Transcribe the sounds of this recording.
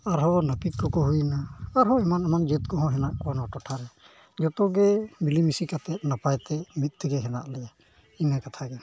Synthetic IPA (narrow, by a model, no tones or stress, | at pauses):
aɾɦɔnəpikkɔkɔɦujnaːɾɦɔɛmanamand͡ʒət̪̚ɡɔɦɔ̃ɦɛnaʔkanɔʈɔʈʰaɾɛ | d͡ʒɔt̪ɔɡɛmilimisikat̪ɛt̪̚napajt̪ɛmit̪̚ˀt̪ɛɡɛɦɛna̰ʔlɛja | inakat̪ʰaɡɛ